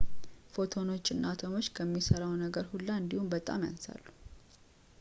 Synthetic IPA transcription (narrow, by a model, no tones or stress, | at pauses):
fo̞t̪ʰo̞no̞t͡ʃʼːɨnːʔat̪ʰomo̞t͡ʃːkʰəmːisəɾawnəɡəɾhulːaɨnd̪ihumbət̪ʼa̰mja̰nsa̰lːu